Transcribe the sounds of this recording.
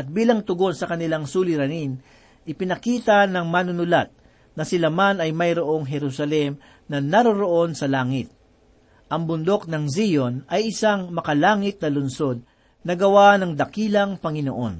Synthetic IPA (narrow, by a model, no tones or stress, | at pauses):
ʔɐt̪̚biːlɐŋt̪ʊɡo̞nsɐkɐnɪlaŋsuːlɪɾɐnin | ʔɪpɪnɐkiːt̪ɐnɐŋmaːnʊnʊlat̪̚ | nɐsɪlamanɐjmɐjɾoʔo̞ŋɦɛɾusɐlɛm | nɐnɐɾoɾoʔo̞nsɐlaːŋɪt̪̚ | ʔɐŋbʊnd̪o̞k̚nɐŋzijonɐjɪsaŋmɐkɐlaːŋɪt̪̚nɐlʊnso̞d̪̚ | nɐɡɐwanɐŋd̪ɐkiːlɐŋpɐŋɪnoʔo̞n